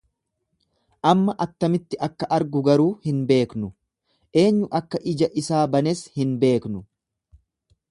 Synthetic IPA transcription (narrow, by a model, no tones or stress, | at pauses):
ʔɐmːɐʔɐt̪ːɐmɪt̪ːɪʔɐkːɐʔɐɾɡʊɡɐɾuːhɪnbe̞ːknʊ | ʔe̞ːɲːʊʔɐkːɐʔɪd͡ʒɐʔɪsaːbɐnɛshɪnbe̞ːknʊ